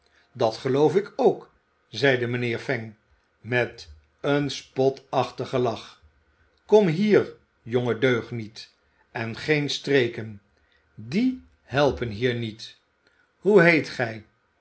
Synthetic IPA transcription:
dɑtχəlowfɪkowk | zɛjdəmənɪːɹfɛŋ | mɛt | ənspɔtɑχtəχəlɑχ | kɔmɦiːɹ | joŋədøɥχnit | ɛnχejnstrejkən | di | hɛlˠpənɦiːɹnit | huɦejtχɛj

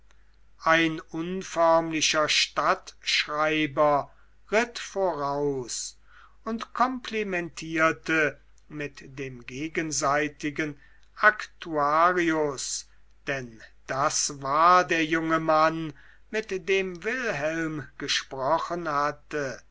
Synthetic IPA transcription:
ʔaɪnʊnfœɐmlɪɕɐʃtatʃʁaɪbɐ | ʁɪtfoːʁaʊs | ʊntkʰɔmpʰlɛmɛntʰiːɐtə | mɪtdeːmɡeːɡənzaɪtɪɡən | ʔaktuaːʁiʊs | d̥ɛnd̥asvaːɐdeːɐjʊŋəman | mɪtd̥eːmvɪlɦɛlmɡ̥əʃpʁɔχənhatə

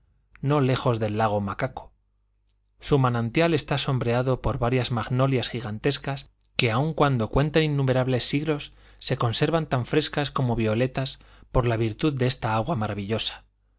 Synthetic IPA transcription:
no̞le̞xo̞zðe̞lːaɣ̞o̞makako̥ | sumanãnt̪jale̞st̪aso̞mbɾe̞aðo̞po̞ɾβaɾjazmaɣno̞ljasxiɣant̪e̞skas | ke̞auŋkwand̪o̞kwe̞nt̪eninːume̞ɾaβle̞sːiɣlo̞sː | e̞ko̞nse̞ɾβant̪aɱfɾe̞skasko̞mo̞βio̞le̞t̪as | po̞ɾlaβ̞iɾt̪uðdeest̪aaɣwamaɾaβ̞iʎo̞sḁ

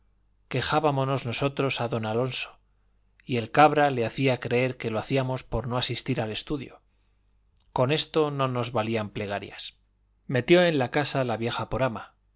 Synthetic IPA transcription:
ke̞xaβamono̞zno̞so̞t̪ɾo̞saðo̞nalo̞nso̞̥ | ie̞lkaβɾale̞aθiakɾe̞eɾke̞loaθiamo̞spo̞ɾno̞asist̪iɾale̞st̪uðjo̞̰ | ko̞ne̞st̪o̞no̞no̞zβaliample̞ɣ̞aɾja̰s | me̞t̪jo̞ẽ̞nlakasalaβje̞xapo̞ɾama

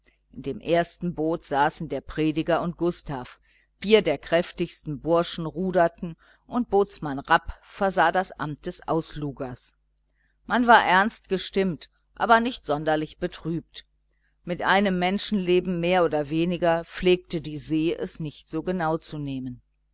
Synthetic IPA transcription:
ʔɪndeːmʔeːɐstn̩boːtz̥aːsn̩deːɐpʁ̥eːdɪɡɐʊnt̚ɡ̥ʊstaːf | fiːɐdeːɐkʁ̥ɛftɪçstn̩bʊɐʃn̩ʁuːdɐtn̩ | ʔʊnt̚b̥oːt͡smanʁapfɛɐzaːdasʔa̰mt̚d̥ɛsʔa̰ʊsluːɡɐs | manvaːɐʔɛɐnst̚ɡ̥əʃtɪmt | ʔa̰ːbɐnɪçtz̥ɔndɐlɪçb̥ətʁ̥yːp̚t | mɪtʔaɪnəmːɛnʃn̩leːbm̩meːɐʔoːdɐveːnɪɡɐp͡fleːk̚tədiːzeːʔɛ̰snɪçtz̥oːɡənaʊt͡suneːmən

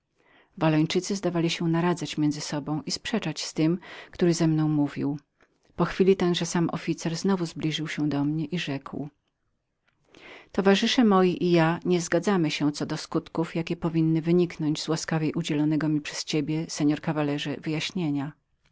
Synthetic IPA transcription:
valɔɲt͡ʂɘt̪sɘzd̪avalʲiɕɛnaɾad̪zat͡ɕmʲjɛnd̪zɘsɔbɔ̃w̃ispʂɛt͡ʂat͡ɕst̪ɘmkt̪uɾɘzɛmnɔ̃w̃muvʲḭw | pɔxfʲilʲit̪ɛnʐɛsamʔɔ̰fʲit̪sɛɾznɔvuzblʲiʐɘwɕɛd̪ɔmɲɛʔiʐɛkw | t̪ɔvaʐɘʂɛmɔjiʔijaɲɛzɡad̪zamɘɕɛt̪sɔd̪ɔskut̪kufjakʲɛpɔvʲinːɘvɘɲiknɔɲd͡ʑzwaskavʲjejʔud͡ʑɛlɔnɛɡɔmʲipʂɛ̥st͡ɕebʲjɛsɛɲɔɾkavalɛʐɛvɘjaɕɲeɲa

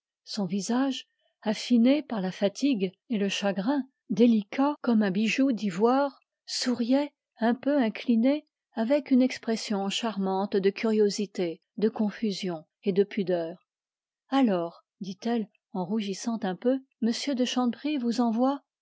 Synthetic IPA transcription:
sɔ̃vizaʒ | afinepaʁlafat̪ʰiɡ | eləʃaɡʁɛ̃ | d̪elikʰakɔmɛ̃biʒud̪ivwaːʁ | suʁjɛ | ɛ̃pøɛ̃kline | avɛkynɛkspχɛsjɔ̃ʃaʁmɑ̃t̪d̪əkʲyʁjozit̪e | d̪əkɔ̃fyzjɔ̃ | ed̪əpʰyd̪œːʁ | alɔːʁ | d̪it̪ɛl | ɑ̃ʁuʒisɑ̃t̪ɛ̃pø | məsjød̪əʃɑ̃pʁivuzɑ̃vwa

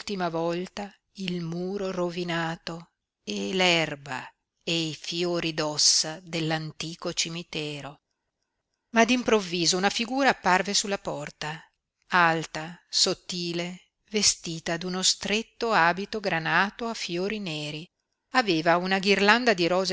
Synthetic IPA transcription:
t̪imavɔlt̪a | ilmuːɾorovinaːt̪o | elɛrba̰ | ejfjoːɾid̪ɔsːad̪elːant̪iːkot͡ʃimit̪ɛːɾo | mad̪impɾovːiːzounafiɡuːɾaːpːarvesulːapɔrt̪a | alt̪asot̪ːiːle | vest̪iːt̪ad̪unost̪ɾet̪ːoaːbit̪oɡɾanaːt̪oafjoːɾineːɾi | aveːvaunaɡirland̪ad̪iɾɔːz

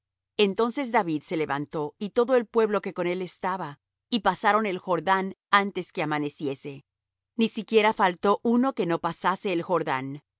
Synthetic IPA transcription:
e̞nt̪o̞nse̞zðaβiðse̞le̞βa̰nt̪o̞it̪o̞ðoelpwe̞βlo̞ke̞ko̞ne̞le̞st̪aβa | ipasaɾo̞ne̞lxo̞ɾðanant̪e̞ske̞amane̞sje̞se̞ | nisikje̞ɾafalt̪o̞ʔuno̞ke̞no̞pasase̞ːlxo̞ɾða̰n

